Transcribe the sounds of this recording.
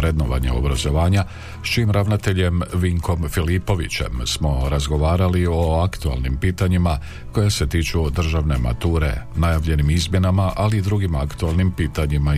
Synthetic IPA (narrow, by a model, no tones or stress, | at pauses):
ɾe̞d̪noʋa̰ɲḛo̞̰bɾazo̞ʋaːɲa | st͡ʃiːmɾaʋnat̪e̞ʎe̞mʋiŋkʰo̞mfilipo̞ʋit͡ɕe̞̰msmo̞ɾazɡo̞ʋaːɾalio̞akt̪ua̰lˠnimpiːt̪aɲima | ko̞jase̞t̪iːt͡ʃud̪r̩ʒaʋne̞ma̰t̪uːɾe̞̰najaʋʎe̞nimizmje̞namaʔaliːd̪ɾuɡimakt̪ualˠnimpiːt̪aɲima